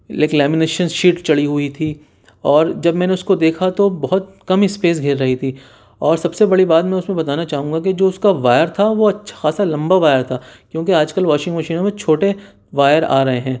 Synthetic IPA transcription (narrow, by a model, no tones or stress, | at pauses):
leːklɛːmɪneːʃə̃nzʃiːʈt͡ʃɐɽiɦʊit̪ʰi | ɔːɾd͡ʒɐbmɛ̃ːneʊskod̪eːkʰat̪obɐɦʊt̪̚ | kɐmispeːs̬ɡʱɪɾːɐɦit̪ʰiː | ɔːɾsɐbsebɐɽibaːt̪mɛ̃ːʊsmẽbɐt̪aːnat͡ʃaːɦũːŋɡakid͡ʒoːʊskaʋaːjəɾt̪ʰaʋoɐtːʃʰḁxaːsalɐ̃mbaʋaːjəɾt̪ʰaːkjõːkeaːd͡ʒkɐlʋaːʃɪ̃ŋɡmɐʃiːnõmẽt͡ʃʰoːʈe | ʋaːjəɾa̰ːɾɐɦeɦɛ̃ː